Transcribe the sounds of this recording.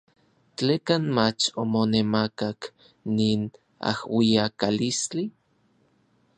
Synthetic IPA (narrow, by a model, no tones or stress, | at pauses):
t͡ɬekanmat͡ʃomonemakak | niːn | a̰hwiakalist͡ɬi